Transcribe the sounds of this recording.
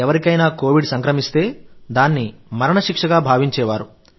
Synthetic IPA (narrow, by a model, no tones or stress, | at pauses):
ɛʋɐɾikɐjnaːko̞ːʋiɖsɐŋkɾɐmist̪e̞ːd̪aːnːimɐɾɐɳɐʃikʂɐɡaːbʱaːʋiɲt͡ʃɛːʋaːɾu